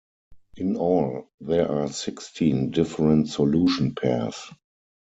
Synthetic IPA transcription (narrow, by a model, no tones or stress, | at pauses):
ʔɪ̃nɔlðɛʔaːsɪkstʰĩndɪfəɹə̃ntsɔluːʃə̃npʰæ̰s